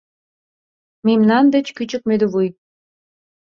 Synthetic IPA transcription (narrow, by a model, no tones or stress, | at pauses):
memnɑnd̪ĕt͡ɕkyt͡ɕə̆k̚mød̪əβuj